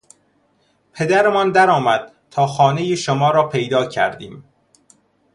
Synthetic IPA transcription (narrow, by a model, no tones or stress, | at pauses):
pʰe̞d̪æɾemɒnd̪æɾɒːmæd̪̥̚ | t̪ʰɒːxɒːnejeʃomɒːɾɒːpʰejd̪ɒːcʰæ̰ɾd̪ḭːm